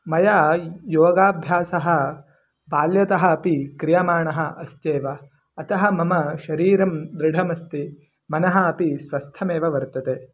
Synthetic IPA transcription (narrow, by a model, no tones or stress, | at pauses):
mɐjaːjoːɡaːbʱjaːsɐɦɐ̆ | baːljɐt̪ɐɦɐ̆ːpikɾijɐmaːɳɐɦɐʔɐst̪eːʋɐː | t̪ɐɦɐ̆mɐmɐʃɐɾiːɾɐmd̪ɾɪɽʱɐmɐst̪i | mɐnɐɦɐ̆ɐpisʋɐst̪ʰɐmeːʋɐʋɐɾt̪ɐt̪eː